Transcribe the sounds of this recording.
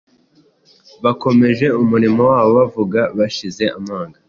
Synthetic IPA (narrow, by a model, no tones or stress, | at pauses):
βako̞me̞ʒe̞umuɾimowaːβo̞βavuɡaβaʃize̞amaːŋɡa